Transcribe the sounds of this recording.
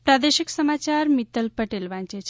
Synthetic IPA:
pɾad̪eʃiksəmat͡ʃaɾmit̪əlpəʈelʋãnt͡ʃet͡ʃʰ

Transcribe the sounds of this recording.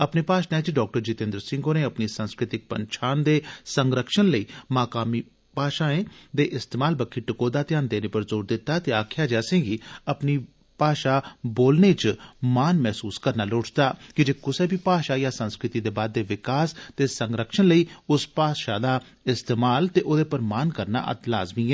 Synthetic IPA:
əpneːpaːʃaẽt͡ʃɖɔːk̚ʈəɾd͡ʒɪt̪ẽnd̪əɾsɪ̃ŋɡoːneːəpniːsənskɾɪt̪ɪk̚pə̰ɲt͡ʃʰaːnd̪eːsəŋɡɾəkʃənləiːmaːkaːmiː | paːʃaːẽːd̪eːʔɪst̪eːmaːlbəkʰːiːʈɪkoːd̪aːt̪ɪãːnd̪eːneːpəɾzoːɾd̪ɪt̪ːaːt̪eːaːkʰɪjaːd͡ʒaːsɪ̃ŋɡiːəpniː | paːʃaːboːlneːt͡ʃmaːnmɛːsuːskəɾnaːloːʈt̪aːkɪd͡ʒeːkʊseːbʱiːpaːʃaːjaːsənskɾɪt̪iːd̪eːbaːd̪ːeːʋɪkaːst̪eːsəŋɡɾəkʃənləiːʊspaːʃaːd̪aː | ɪst̪eːmaːlt̪eːʔoːd̪eːpəɾmaːnkəɾna̰ːʔə̰t̪la̰ːzmiːɛː

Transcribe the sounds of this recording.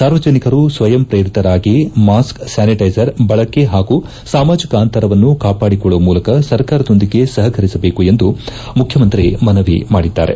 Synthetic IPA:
saːɾʋɐd͡ʒɐnikɐɾusʋɐjɐmpɾeːɾit̪ɐɾaːɡimaːsksaːniʈɐjd͡ʒɐɾbɐɭɐkːe̞ɦaːɡu | saːmaːd͡ʒikɐaːnt̪ɐɾɐʋɐnːukaːpaːɽikɔɭːɐʋɐmuːlɐkɐsɐɾkaːɾɐd̪o̞nd̪iɡe̞sɐɦɐkʰɐɾisɐbeːkue̞nd̪u | mukʰjɐmɐnt̪ɾimɐnɐʋḭmaːɽid̪ːa̰ːɾe̞̰

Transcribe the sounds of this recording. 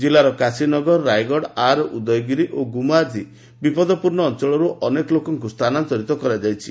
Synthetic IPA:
d͡ʒilaɾɔkasinɔɡɔɾɔːajɡɔɽaɾɔud̪ɔjɔɡiɾiʔoɡumad͡ʒi | bipɔd̪ɔpuɾɳɔːnt͡ʃɔɭɔɾuʔɔnekɔlokɔŋkust̪ʰanant̪ɔɾit̪ɔkɔɾad͡ʒajt͡ʃʰi̥

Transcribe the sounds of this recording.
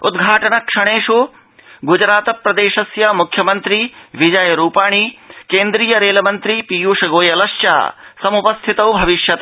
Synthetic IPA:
ud̪ɡʱaːʈɐnɐkʂɐɽ̃eːʃoː | ɡud͡ʒɾaːt̪ɐpɾɐd̪eːʃɐsjɐmukʰjɐmɐnt̪ɾiʋid͡ʒɐjɐɾuːpaːɳ̃ikeːnd̪ɾiːjɐɾeːlɐmɐnt̪ɾipijuːʃɐɡoːjɐlɐʃt͡ʃa̰ːsɐmupɐst̪ʰit̪ɐwbʱɐʋiʃjɐt̪ɐ

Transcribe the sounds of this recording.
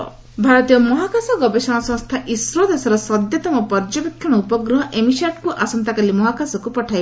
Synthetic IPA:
bʱaɾɔt̪ijɔmɔɦakasɔɡɔbesɔɽ̃ɔsɔ̃st̪ʰaʔisɾɔd̪esɔɾɔsɔd̪jɔt̪ɔmɔpɔɾd͡ʒɔbekʰjɔɽ̃ɔupɔɡɾɔɦɔʔemisaʈkuʔasɔnt̪akalimɔɦakasɔkupɔʈʰajb

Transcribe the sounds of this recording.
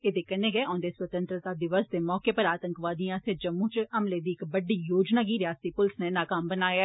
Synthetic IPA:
ed̪eːkənːeːɡɛːɔ̃ːnd̪eːswət̪ə̃nt̪ɾət̪aːd̪ɪʋəsd̪eːmɔːkepəɾaːt̪əŋkʋaːd̪ijãːsed͡ʒəmːũːt͡ʃəmleːd̪iːɪkbəɖːiːjoːd͡ʒnaːkiːɾɪjaːst̪ipʊlsnenaːkaːmbənaːjaː

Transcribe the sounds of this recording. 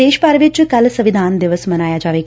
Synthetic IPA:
eːʃpaɾʋɪt͡ʃkɐlsəʋɪd̪ʱaːnd̪ɪʋəsmɐnaːjad͡ʒaːʋeːk

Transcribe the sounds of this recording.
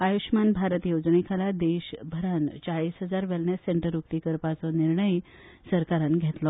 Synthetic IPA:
ajuɕmanbʱaɾət̪jod͡znekʰalad̪eɕbʱəɾant͡ɕaɭiːsɦəd͡zaɾʋɛlnjeseɳʈəɾuk̚t̪ikəɾpat͡sɔniɾɳəj | səɾkaɾanɡʱet̪lɔ

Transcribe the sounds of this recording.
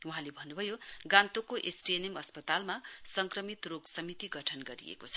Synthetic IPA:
uɦãlebʱʌnːubʱʌjoɡãnt̪okoʔesʈienemʌspʌt̪almasʌŋkrʌmit̪roɡsʌmit̪iɡʌʈʰʌnɡʌɾḭḛkot͡sʰʌ̥

